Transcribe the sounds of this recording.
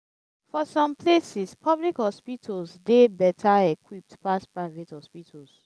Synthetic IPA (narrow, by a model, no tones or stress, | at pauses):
fɔsɔ̃mplesispʰʌblikhɔspitʰolsdebɛtʰaɛkʰwip̚tpaspɹaɪvethɔspitʰols